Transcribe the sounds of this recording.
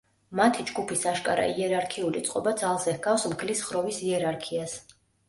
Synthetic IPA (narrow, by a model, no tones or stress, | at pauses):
mat̪ʰid͡ʒɡupʰisaʃkʼaɾa̰iɛɾaɾkʰiulit̪sʼqʼɔbad̪zalˠzɛhɡafsmɡʰlisχɾɔvisiɛɾaɾkʰias